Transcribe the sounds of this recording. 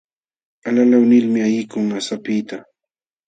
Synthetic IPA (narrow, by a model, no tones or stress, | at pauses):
alalawnɪlmɪajɪkʊŋasapɪt̪a